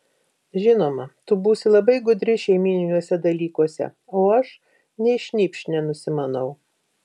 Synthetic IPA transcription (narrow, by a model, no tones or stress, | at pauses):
ʒʲɪnoːmɐt̪ʊbuːsʲɪlˠɐbɐɪɡʊd̪ʲɾʲɪʃʲɛɪmʲiːnʲɪnʲuːsʲɛd̪ɐlʲiːkuɔsʲɛ̰ | oːɐʃ | nʲɛɪʃʲnʲiːpʲʃʲnʲɛnʊsʲɪmɐnɐʊ